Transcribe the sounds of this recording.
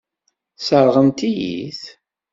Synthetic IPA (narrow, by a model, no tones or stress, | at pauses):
səɾˤʁəmt̪ijḭθ